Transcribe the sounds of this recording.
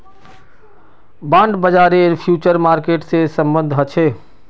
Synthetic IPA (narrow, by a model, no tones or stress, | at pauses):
bãːɳɖbəd͡ʒaɾeɾpʰjuːt͡ʃəɾmaːɾkeːʈsesəmbənd̪ʱɦət͡ʃʰe